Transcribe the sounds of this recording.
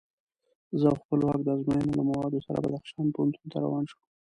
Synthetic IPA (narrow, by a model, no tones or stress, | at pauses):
zəawxpəlwɑk̚d̪əazmajənolamawɑd̪osaɾa̰bad̪axʃɑnpohʊnt̪unt̪aɾa̰wɑnʃu